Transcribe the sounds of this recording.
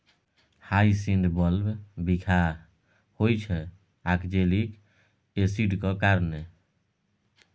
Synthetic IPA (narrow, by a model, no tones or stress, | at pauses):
hajsiɳɖbɔlbbikʰa | hojt͡ʃʰɛ | akd͡ʒelik | esiɖkɔkaɾne